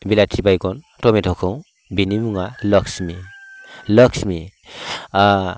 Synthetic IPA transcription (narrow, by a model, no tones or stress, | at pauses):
bilatʰibajɡɔn | tɔmetʰɔkʰɯw | binimuŋalɔksmi | ləksmi